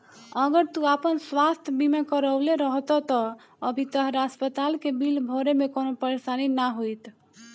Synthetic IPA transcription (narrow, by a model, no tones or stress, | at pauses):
əɡəɾt̪uapənswast̪ʰjbʱimekəɾəleɾəɦt̪ɔt̪ɔː | bʱit̪əɦɾaspət̪alkebilbʱoɾemekonopəɾesaninaɦojt̪